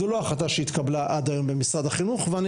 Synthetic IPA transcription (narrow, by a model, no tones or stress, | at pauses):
uloaχat̪aʃeit̪kablaʔad̪ajo̞mbemisʁad̪aχinuχvean